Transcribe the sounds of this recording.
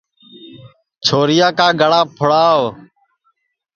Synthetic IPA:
t͡ʃʰoːɾɪjaːkaːɡʱəɽãːpʰʊɽaːo

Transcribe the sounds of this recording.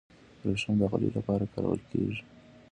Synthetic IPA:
ɾoʃanb̪aɣalilapɑɾakaɾɑ̰lkeʒi

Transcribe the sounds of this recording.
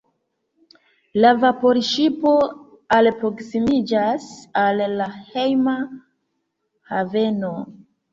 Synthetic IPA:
lavapo̞ɾʃipo̞ | alpɾo̞ksimid͡ʒasalːahe̞jma | have̞no

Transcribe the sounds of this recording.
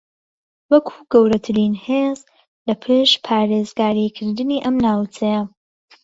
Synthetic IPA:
wɐkʰu̥ːɡɐwɾɐt̪ʰɨɾiːnheːz | lɐpʰeʃpʰaːɾeːzɡaːɾikʰɨɾd̪ɨniːʔɐmnaːwt͡sʰɛjɐ

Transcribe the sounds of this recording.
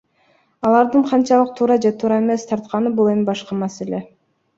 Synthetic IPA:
ɑlˠɑɾd̪ɯɴqʰɑnt͡ʃɑlˠɯq̚t̪ʰuːɾɑd͡ʒe̞t̪ʰuːɾɑe̞me̞st̪ʰɑɾt̪qɑnɯbulˠemibɑʃqɑmɑse̞lʲe̞

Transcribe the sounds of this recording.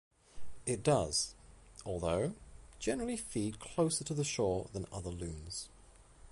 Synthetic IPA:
ɪt̚d̥ʌz̥ɔlˠðoʊ̥d͡ʒɛnəɹl̩ˠifid̚kʰl̥oʊsə˞tʰəðəʃɔːɹðə̃nʌ̰ðəlʉ̃nz̥

